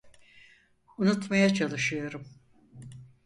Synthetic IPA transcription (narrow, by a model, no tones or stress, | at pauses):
unut̪majat͡ʃʰalˠɯʃɯjo̞ɾum